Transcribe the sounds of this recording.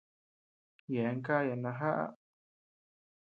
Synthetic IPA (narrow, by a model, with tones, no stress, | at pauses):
je˨˦ŋka˦ja˨nã˧ɦa˦ʔa̰˦